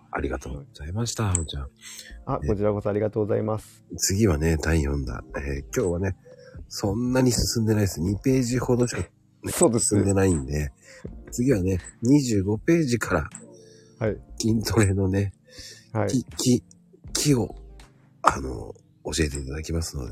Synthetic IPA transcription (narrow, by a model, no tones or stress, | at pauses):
a̰ɾʲiɡat̪o̞̰ːɡoz̥aimaɕi̥t̪aot͡ɕãako̞t͡ɕiɾako̞soaɾʲiɡat̪oːɡozaimasɨ̥t͡sɨɡʲiβane̞t̪ãĩjõ̞nd̪a̰ekʲo̞ːβane̞sõ̞nːaɲ̟isɨsɨ̃nd̪e̞naid̪esɨɲ̟ipe̞ːʑiho̞d̪oɕi̥ka | soːd̪essɨ̃nd̪e̞naĩnd̪e̞t͡sɨɡʲiβane̞ɲ̟iʑɨːɡo̞pe̞ːʑikʰaɾa̰ | haikʲĩnt̪o̞ɾe̞no̞ne̞ | haiikʲi | kʲʰio̞ | ano̞̰ | oɕie̞t̪e̞it̪ad̪akʲimasɨno̞̰d̪ḛ